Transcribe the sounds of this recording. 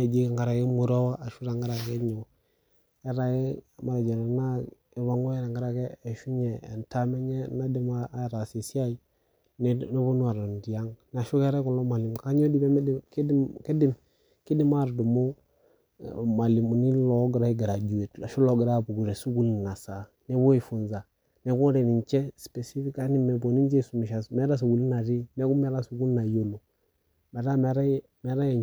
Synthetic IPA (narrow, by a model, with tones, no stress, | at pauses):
e˨d͡ʒe˦˨ŋɡa˨ɾa˨ɡe˦mu˨ɾo˦wa˦a˨ʃu˦ɾa˨ŋɡa˦ɾa˨ɡe˦ɲo˨ | e˦ɾa˦e˦ma˨ɾa˨d͡ʒe˨ɾna˦ | e˨βa˨ŋo˦e˦na˨ŋɡa˦ɾa˨keː˦˨ʃu˦ɲḛː˨nta˦me˦ɲe˦na˦di˦ma˦˨ɾa˨si˨si˦a˦i˦ | n˦no˦bu˦n˦a˨ɾa˨n˨di˨ja˦ŋna˨ʃu˦ke˦ɾe˦ku˨lo˦ma˨li˨mka˦ɲo˦di˦be˦m˦kdke˦di˦˨m | ki˦di˦ma˦˨ɾdu˨mo˦ | ma˨li˨mu˨ni˦lɔ˨˦ɡɾa˦i˦ɡa˨ɾa˨d͡ʒu˨e˨ta˨ʃu˦lo˨ɡɪ˨ɾa˦˨bu˨ɡu˨ɾe˨su˦ɡu˦lna˨sa˨ | nɛ˦bo˦i˨fu˨nza˨ | nɛ˨˦ku˦ɾe˨ni˨nt͡ʃɛ˦spe˨si˦fi˦ka˦ni˦mɛ˨bo˨ni˦d͡ʒe˦˨su˨mi˨ʃa˨smɛ˦ɾa˦s̬u˨ɡu˨li˦na˨ɾi˦nɛ˦ku˦mɛ˦ɾa˦su˨ɡu˦lna˨jo˦lo˨ | me˨ɾa˦m˨˦ɾa˦ | mɛ˨˦ɾa˦je˨